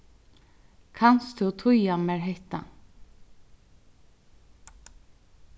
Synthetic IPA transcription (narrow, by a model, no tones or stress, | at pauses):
kʰanst̪ʰuwt̪ʰʊjamɛɹɦeht̪a̰